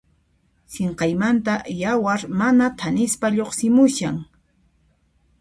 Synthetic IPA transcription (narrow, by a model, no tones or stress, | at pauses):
seɴqɑjmant̪ajawaɾmanat̪ʰanɪspaʎoχsɪmʊʃaŋ